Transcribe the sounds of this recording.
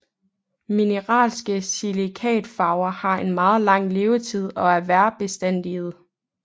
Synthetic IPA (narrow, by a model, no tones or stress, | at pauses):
minəʁɑ̰̈ːlsɡ̥əsilikʰɛ̰ːd̥fɑ̈ʊɐhɑ̈e̝nmɑ̈ːð̞̩ˠlɑ̈ŋ̰le̝ːʊət͡sʰið̞̰ˠɒ̽æɐʋæɐb̥e̝sd̥en̰d̥ið̞̩ˠ